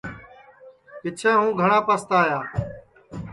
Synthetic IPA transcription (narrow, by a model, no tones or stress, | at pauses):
kɪt͡ʃʰẽːɦũːɡʱəɳãːpəst̪aːjaː